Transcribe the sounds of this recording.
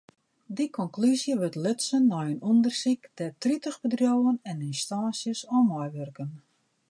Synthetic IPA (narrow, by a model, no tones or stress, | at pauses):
dikʰɔŋklyzjəʋøtløtsənːɔjənundərsikdɛtritəxbədrjoːənɛninstaːnsjəsɔmɔjʋørkən